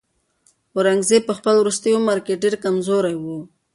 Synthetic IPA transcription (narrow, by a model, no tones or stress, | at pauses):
oɾaŋɡzepəxpəlwɾust̪əjomaɾkeʈ̚ɖeɾkamzoɾajwu